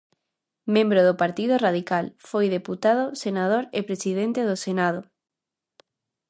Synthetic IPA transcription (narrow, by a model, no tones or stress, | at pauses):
mẽmbɾoðʊpaɾt̪ið̞ʊraðikalfojðeput̪að̞osenað̞oɾepɾesiðent̪eðosenað̞o